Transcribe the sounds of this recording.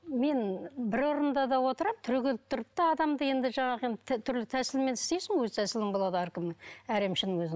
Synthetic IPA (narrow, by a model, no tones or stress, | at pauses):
me̞nbɪɾo̞ɾənd̪ɑd̪ɑwo̞t̪əɾɑmt̪ʰʏɾɡʲelɪp̚t̪ʰʊɾp̚t̪ɑɑd̪ɑmd̪əje̞nd̪ɪʒɑɴɑʁəenʰt̪ʰʏɾlɪt̪ʰæsɪlme̞nɪst̪ejsɪŋwɵzt̪ʰæsɪlɪŋbo̞lˠɑd̪əæɾkʲɪmenæɾe̞mʃɪnɪŋwɵzɪ